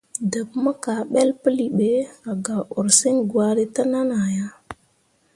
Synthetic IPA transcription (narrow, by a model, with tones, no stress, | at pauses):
də˨pmə˦ka˨ɓe˦lpə˦li˨ɓe˨˦a˨ɡa˨ʔu˨ɾsi˦ŋɡwa˦ɾi˦ta˦na˦na˨ja˦